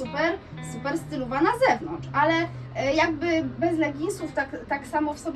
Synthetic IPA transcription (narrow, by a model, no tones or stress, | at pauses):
upɛɾ | supɛɾst̪ɘlɔvanazɛvnɔnt͡ʂalɛjaɡbɘbɛzlɛɡʲiɲswuft̪akt̪aksamɔfsɔbʲ